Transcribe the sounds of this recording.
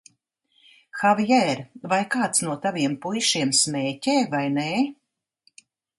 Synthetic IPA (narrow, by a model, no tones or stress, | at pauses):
xavjɛɾvajkaːt̪snuɔt̪aviɛmpujʃiɛmsmʲeːcʲeːvajneː